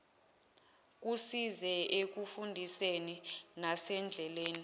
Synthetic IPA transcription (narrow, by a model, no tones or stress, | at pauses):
k̬ʼusizɛek̬ufundʱiseninasɛnd͡ɮʱɛleːni